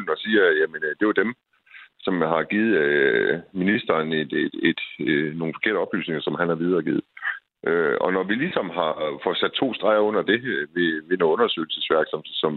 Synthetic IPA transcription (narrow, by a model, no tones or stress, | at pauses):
n̩ɒ̽siːɐjæmend̥e̝d̥em | sɒ̽mhɑ̈ɡ̥iːð̩ˠøminisd̥ɐːned̥e̥ed̥no̝ːn̩fɒ̽kʰe̝ɐ̰dəɒ̽b̥ly̰ːsne̝ŋɐsɒ̽mhænhɑ̈ʋið̞ˠɐːɡḭːð̩ˠ | ʔøɒ̽nɒʋilisɒ̽m̰ɦɑ̈fɒsæd̥̚t͡sʰo̝̰ːsd̥ʁɑ̈ɪɐɔ̽n̰ɐd̥e̝ʋe̝ʋe̝noɔ̽nɐsø̰ɪl̩sesʋæɐɡ̥sɒ̽mhesɒ̽m